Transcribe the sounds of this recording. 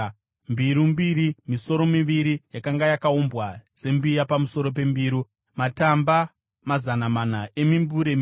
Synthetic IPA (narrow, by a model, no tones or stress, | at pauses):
mbiɾumbiɾimiso̞ɾo̞miʋiɾijakaŋɡajakaumbɣase̞mbijapamuso̞ɾo̞p̬e̞mbiːɾu | matamba | mazanamanaemimbuɾem